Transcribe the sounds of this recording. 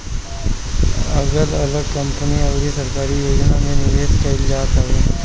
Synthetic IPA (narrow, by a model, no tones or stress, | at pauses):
ɐɡəɾɐləɡ̚kəmpəniɐɡɾisɐɾkaːɾijoːd͡ʒnamẽnɪʋeːskəild͡ʒaːt̪aɦeː